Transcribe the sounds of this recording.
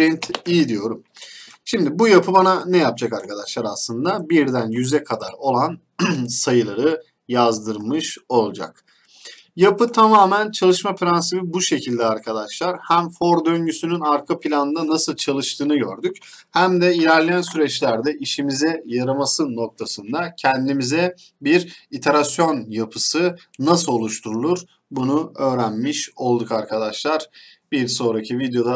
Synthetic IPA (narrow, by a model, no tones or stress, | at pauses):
int̪ijid̪ijo̞ɾum | ʃimd̪ibujapʰɯbananɛjap̚d͡ʒakaɾkʰad̪aʃlˠaɾaslˠɯnd̪abiɾd̪ænjyzɛkʰad̪a̰ɾo̞lˠan | sajɯlˠaɾɯ | jazd̪ɯɾmɯʃo̞lˠd͡ʒa̰k | japʰɯt̪ʰamaːmænt͡ʃʰalˠɯʃmafɾansibibuʃe̞cʰilʲd̪ɛaɾkʰad̪aʃlˠaɾhæmfo̞ɾd̪ø̞nɟysynynaɾkʰapʰilʲanɯnd̪anasɯlˠt͡ʃʰalˠɯʃt̪ʰɯːnɯɟø̞̰ɾd̪yc | hæmd̪ɛilʲæɾlʲejænsyɾɛt͡ʃlʲæɾd̪ɛʔiʃimizɛjaɾamasɯno̞k̚t̪ʰasɯnd̪acʰɛnd̪imizɛ | biɾit̪ʰeɾasjo̞njapʰɯsɯnasɯlˠo̞lˠuʃt̪ʰuɾulˠuɾ̥ | bunuø̞ːɾænmiʃo̞lˠd̪ukaɾkʰad̪aʃlˠaɾ̥ | biɾso̞nɾacʰivid̪jo̞d̪a